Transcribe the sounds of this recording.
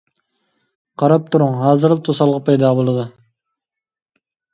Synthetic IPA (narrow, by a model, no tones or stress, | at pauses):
qʰɑɾɑp̚t̪ʰuɾuŋɦɑːzɨɾlˠt̪ʰosɑlˠʁɑpʰɑjd̪ɑːbolˠɨd̪ɨ